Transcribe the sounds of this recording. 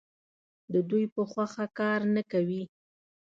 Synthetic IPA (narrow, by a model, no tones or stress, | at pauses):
d̪əd̪ujpəxwaxakɑɾnakawi